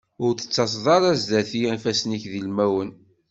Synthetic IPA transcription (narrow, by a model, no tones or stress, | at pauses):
ʊɾθə̥t͡sːɑs̬ðˤɑɾˤæzðæθiænfæsniçðilmæwən